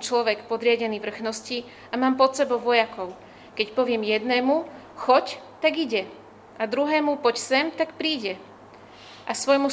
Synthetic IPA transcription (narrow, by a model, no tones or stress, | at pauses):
t͡ʃlɔʋɛkpɔd̪ɾɪaɟɛniːʋr̩xnɔsci | amaːmpɔt̪sɛbɔʊʋɔjakɔʊ | kɛcpɔʋɪɛmjɛd̪nɛːmu | xɔct̪aɡiɟɛ | ʔad̪ɾuɦɛːmupɔcsɛmt̪akpɾiːɟɛ | ʔasʋɔjmu